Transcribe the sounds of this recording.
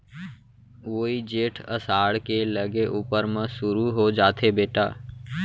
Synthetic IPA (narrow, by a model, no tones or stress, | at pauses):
ʋoːid͡ʒeːʈʰə̰saːɽkeləɡeʔuːpəɾmə̃sʊɾuɦod͡ʒaːt̪ʰebeːʈa̰ː